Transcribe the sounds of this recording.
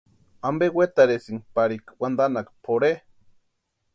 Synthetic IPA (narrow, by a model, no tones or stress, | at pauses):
ambewet̪aɾesiŋpaɾikwand̪anakpʰoɾe